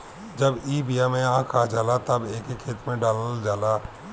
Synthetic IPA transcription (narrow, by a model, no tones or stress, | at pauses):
d͡ʒɐbiːbijamẽãkʰad͡ʒaːlat̪ɐbeːkekʰeːt̪mẽɖaːlld͡ʒaːlaː